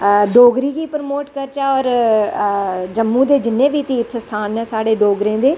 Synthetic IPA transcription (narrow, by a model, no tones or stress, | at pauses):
ɖoːɡɾiːɡiːpɾəmoːʈkəɾt͡ʃaːɔːɾ | d͡ʒəmːũːd̪eːd͡ʒɪnːẽːʋiːt̪iːpsəst̪ʰaːnɛ̃ːsaːɽeːɖoːɡɾẽːd̪eː